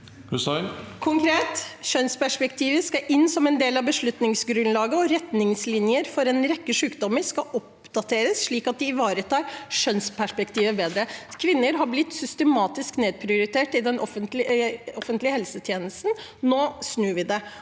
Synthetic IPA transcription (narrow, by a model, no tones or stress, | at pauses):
hʉskʰʊŋkʰɾeːt̪ʃœnspæʂpɛkt̪ʰiːʋəskɑʔɪnːsɔmɛnd̪eːlɑʋbəʂɭʉt̪nɪŋsɡɾʉnlɑːɡəɔɾɛt̪nɪŋslɪnjəɾfɔɾɛnɾɛkːəʂʉːkd̪ɔmːəɾʂkɑʔɔp̚ | d̪̥ɑt̪ʰeːɾəsʂɭiːkɑt̪̚d̪ɪɪʋɑːɾət̪ʰɑːɾʂœnspʰæʂpɛkt̪ʰiːʋəbeːd̪ɾəkʰʋɪnːəɾɦɑblɪt̪ːsʏst̪əmɑːt̪ɪskneːd̪̚pʰɾɪʊɾɪt̪ʰeːʈɪd̪ɛnʔɔfənt̪lɪɔfənt̪lɪəhɛlsət̪ʰjeːnəst̪n̩noːsnʉːʋɪd̪ɛ